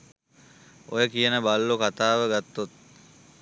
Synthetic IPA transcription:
ojəkijənəbalːukat̪aːʋəɡat̪ːot̪̚

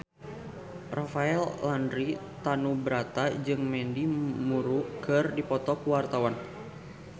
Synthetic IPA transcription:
rafaɛlːandɾit̪anubɾat̪ad͡ʒɨŋmɛndimuɾukɨrdipɔt̪ɔkuwart̪awan

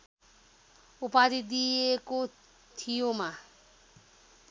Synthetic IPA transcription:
upaɾid̪ieko | t̪ʰijoma

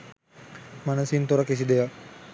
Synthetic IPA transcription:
manəsint̪oɾəkis̬id̪ejak

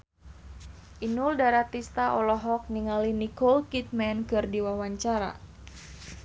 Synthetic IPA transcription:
ʔinuldaɾat̪ist̪aʔɔlɔɦɔk̚niŋalinikɔlkit̪̚mɛnkɨrdiwawaɲt͡ʃaɾa̰

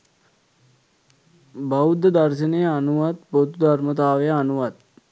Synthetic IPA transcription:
baud̪ːəd̪arʃənəjəanuʋat̪bot̪ud̪ʱarmət̪aːʋejəanuʋat̪

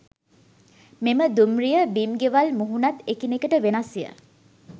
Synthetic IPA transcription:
meməd̪umrijəbimɡeʋalmuɦunat̪ekinekəʈəʋenasijə̰

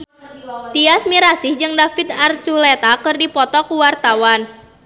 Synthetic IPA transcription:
t̪iasmiɾasɪhd͡ʒɨŋdafit̪̚art͡ʃulet̪akɨrdipɔt̪ɔkuwart̪awan

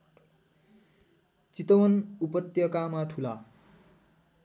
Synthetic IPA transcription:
t͡sit̪ʌwʌnupʌt̪jʌkamaʈʰula

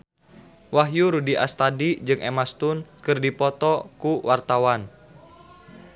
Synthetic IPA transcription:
waɦjuɾudiʔa̰st̪adid͡ʒɨŋʔemast̪unkɨrdipɔt̪ɔkuwʔart̪awan

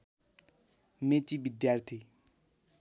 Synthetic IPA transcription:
met͡ʃibid̪jart̪ʰi

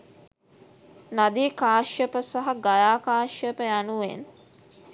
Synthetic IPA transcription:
nad̪ikaːʃjəpəsaɦaɡajaːkaːʃjəpəjanuʋḛn

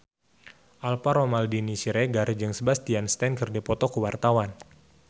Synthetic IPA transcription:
ʔalpaɾɔmaldinisiɾeɡard͡ʒɨŋsəbast̪ianst̪ɛnkərdɛpɔt̪ɔkəwart̪awan

